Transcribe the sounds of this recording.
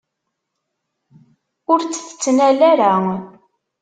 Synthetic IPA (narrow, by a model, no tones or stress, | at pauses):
ʊɾt͡sːə̥θə̥t͡sːnælæɾæ